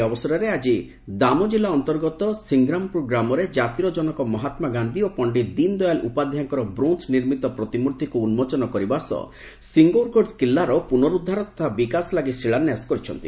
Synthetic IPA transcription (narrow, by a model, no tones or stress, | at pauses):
ɔbɔsɔɾaɾead͡ʒi | d̪amɔd͡ʒilaɔnt̪ɔɾɡɔt̪ɔsiŋɡɾampɾoɡɾamɔɾed͡ʒat̪iɾɔd͡ʒɔnɔkɔmɔɦat̪maɡand̪iopɔɳɖid̪ind̪ɔjalʔupad̪ʱjaŋkɔɾɔbɾunsniɾmit̪ɔpɾɔt̪imuɾd̪ʱikuunmɔt͡ʃɔnɔkɔɾibasɔ̰ | siŋɡoɾkokilːaɾɔpunɔɾud̪ʱːaɾɔt̪ɔ̥t̪ʰabikaslaɡisiɭanːjasɔ̥kɔɾit͡ʃʰɔ̰nt̪ḭ